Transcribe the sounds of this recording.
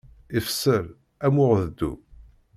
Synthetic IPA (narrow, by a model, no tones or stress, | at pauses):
ifsəɾ | æmʊʁðəd̪ːṵ